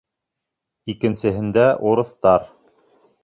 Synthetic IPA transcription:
ikɘ̆nsɘ̆ɦɘ̆nd̪æʔuɾɤ̆θt̪ɑɾ

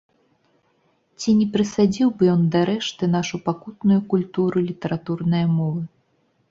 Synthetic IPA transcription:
t͡sʲinʲɛpɾɨsad͡zʲiwbɨjɔnd̪ɐɾɛʂt̪ɨnaʂupakut̪nujukulʲt̪uɾɨlʲit̪ɛɾʔat̪urnɐjɐmɔvɨ

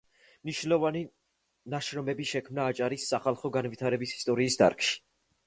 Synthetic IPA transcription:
mniʃnlɔvani | naʃɾɔmɛbiʃɛkʰmnaːt͡ʃʼaɾisːaχalˠχɔɡanvit̪ʰaɾɛbisi̥st̪ʼɔɾiːsd̪a̰ɾkʰʃi̥

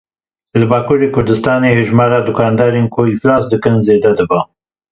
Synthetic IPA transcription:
lɨbɑːkuːɾeːkʰʊɾd̪ɨst̪ɑːneheʒmɑːɾad̪ukɑːnd̪ɑːɾenkʰʊiflɑːsd̪ɨkɨnzeːd̪ɛd̪ɨba

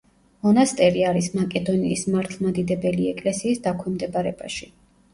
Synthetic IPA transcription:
mɔnast̪ʼɛɾiaɾismakʼɛd̪ɔniismaɾt̪ʰlˠmad̪id̪ɛbɛliɛkʼlɛsiːsd̪akʰwɛmd̪ɛbaɾɛbaʃi

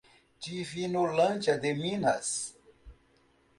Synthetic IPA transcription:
t͡ɕiːfiːnolɐnʲt͡ɕɐd̪emiːnhɐ̰s

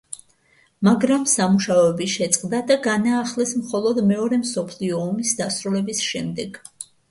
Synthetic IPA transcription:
maɡɾamsamuʃaɔɛbiʃɛt̪sʼqʼd̪ad̪aɡanaːχlɛsmχɔlˠɔd̪mɛɔɾɛmsɔpʰliɔːmisd̪asɾulɛbisʃɛmd̪ɛɡ̥

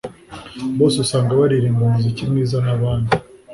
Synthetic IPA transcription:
βo̞ːseusaːŋɡaβaɾiɾimbumuzikimŋiːzanaβaːndi

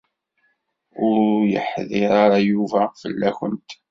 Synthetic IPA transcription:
ʊɾjə̰ħðɪɾaɾajuvæfəlːæçənt̪

